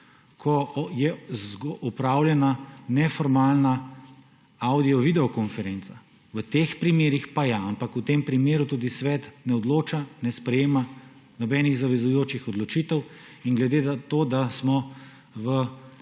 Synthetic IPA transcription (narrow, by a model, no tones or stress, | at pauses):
kʰɔjɛzɡɔpɾaːwljɛnanɛfɔɾmaːlna | awd̪iɔʋid̪ɛɔkɔnfɛɾent̪sa | ʋət̪eːxpɾimeːɾixpajaampakut̪empɾimeːɾut̪uːd̪isʋɛt̪nɛɔd̪loːt͡ʃanɛspɾɛjeːma | nɔbɛniɣzaʋɛzujoːt͡ʃixɔd̪lɔt͡ʃit̪əw | inɡlɛd̪eːat̪oːd̪asmɔ | ʋə